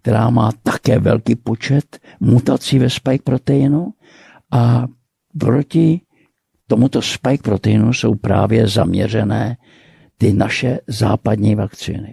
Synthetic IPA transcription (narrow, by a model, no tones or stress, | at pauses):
k̚t̪ɛɾaːmaːt̪ḁkɛːvɛ̰lkiːpo̞t͡ʃɛt̪ | mut̪at͡sivɛspajk̚pɾo̞t̪ɛjɪnu | ʔa | pɾo̞cɪ | t̪o̞mut̪o̞spajk̚pɾot̪ɛjɪnuso̞̰wpɾa̰ːvjɛza̰mɲɛr̝ɛnɛː | t̪ɪnaʃɛza̰ːpad̪ɲiːvakt͡sḭːnɪ̰